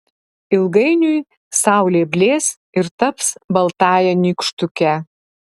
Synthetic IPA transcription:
ɪlˠɡɐɪnʲʊj | sɑˑʊlʲeːbʲlʲeːs | ɪɾt̪ɐpsbɐlˠt̪ɑːjɛnʲikʃt̪ʊkʲɛ

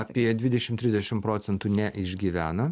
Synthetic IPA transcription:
ɐpʲiɛd̪ʲʋʲɪd̪ʲɛʃʲɪmt̪ʲɾʲɪzd̪ʲɛʃʲɪmpɾoːt̪sʲɛnt̪unʲɛʔɪʒʲɡʲiʋʲæːnɐ

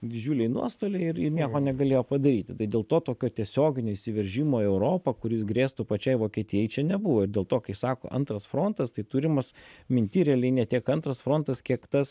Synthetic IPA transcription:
d̪ʲɪd͡ʒʲuːlʲɛɪnṵɔst̪oːlʲeɪɪɾɪnʲiɛkoːnʲɛɡɐlʲeːjoːpɐd̪ɐɾʲiːt̪ʲɪt̪ɐɪd̪ʲeːlˠt̪oːt̪oːkʲoːt̪ʲiɛsʲoːɡʲɪnʲoːisʲɪʋʲɛɾʲʒʲiːmoːɛʊɾoːpɐkʊɾʲɪsɡɾʲeːst̪ʊpɐt͡ʃʲɛɪʋoːkʲiɛt̪ʲɪjɛjɪt͡ʃʲɛnʲɛbuʋoːɪɾd̪ʲeːlˠt̪oːkɐɪsɑːko̰ːʔɐ̰nt̪ɾɐsfɾoːnt̪ɐst̪ɐɪt̪uːɾʲɪmɐsmʲɪnʲt̪ʲiːɾʲɛlʲiɪnʲɛːt̪ʲiɛkɐnt̪ɾɐsfɾoːnt̪ɐskʲiɛkt̪ɐs

